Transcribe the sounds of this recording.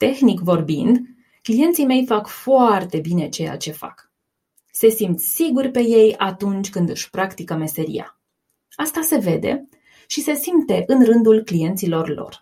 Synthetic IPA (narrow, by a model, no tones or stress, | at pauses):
t̪e̞xnikvo̞rbind̪ | klije̞nt̪sime̞jfakfoart̪e̞bine̞t͡ʃe̞ja̰t͡ʃe̞fa̰k | se̞simt̪ssiɡurʲpe̞je̞jat̪unt͡ʃʲkɨnd̪ɨʃʲpɾakt̪ikəme̞se̞ɾḭja̰ | ast̪ase̞ve̞d̪e̞̰ | ʃise̞simt̪e̞ʔɨnrɨnd̪ulklije̞nt̪silo̞rlo̰r